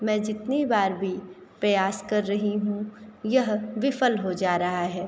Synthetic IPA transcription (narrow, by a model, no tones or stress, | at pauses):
mɛ̃ːd͡ʒɪt̪nibaːɾbʱi | pɾɐjaːskɐɾːɐɦiɦũjɐɦʋɪfəlɦod͡ʒaːɾɐɦaɦɛː